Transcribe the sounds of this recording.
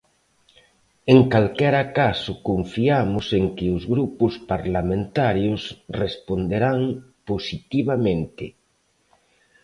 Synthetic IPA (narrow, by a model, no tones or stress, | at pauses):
eŋkalkɛɾakasʊkoɱfiamʊseŋkɪʊzɣɾupʊspaɾlamẽnt̪aɾjosrespond̪eɾaŋposit̪iβamẽnt̪ɪ